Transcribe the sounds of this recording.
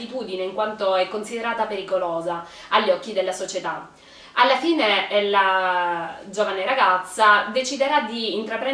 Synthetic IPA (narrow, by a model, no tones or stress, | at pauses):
it̪uːd̪ineiŋkwant̪oɛkːonsid̪eɾaːt̪apeɾikolɔːza | aʎːɔkːid̪elːasot͡ʃet̪a | alːafiːneɛlːa | d͡ʒovaneɾaɡat̪sːad̪et͡ʃid̪eɾad̪iːnt̪ɾapɾɛ